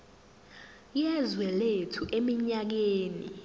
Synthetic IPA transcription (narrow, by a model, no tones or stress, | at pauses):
jɛzwɛletʰuʔemiɲak̬eːni